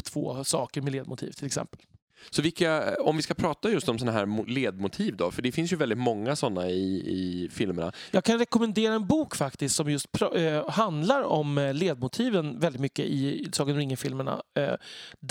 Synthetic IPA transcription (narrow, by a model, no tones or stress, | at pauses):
t̪ʰv̥o̰ːsɑːkəɾmɛleːd̪mʊt̪ʰḭːvt̪ʰɪlɛksɛ̰mpəl | sɔvɪlkaɔmvɪskapʰɾɑːt̪ajɵst̪ɔmsɔnaɦæ̰ːɾmʊleːd̪mʊt̪ʰiːvd̪ɔ̰fœɖɛfɪnsjɵvɛld̪ɪt̪mɔŋːasɔnːaɪɪfɪlmɛɳa̰jɑːɡ̚kʰanɾɛkɔmɛnd̪eːɾaɛnbuːkfakt̪ɪst̪sɔmjɵst̪̚pʰɾhand̪laɾɔmleːd̪̚mʊt̪ʰiːvənvɛld̪ɪt̪mʏkːə̰ʔɪsɑːkənɔɾɪŋːɪfɪlməɳa̰ | d̪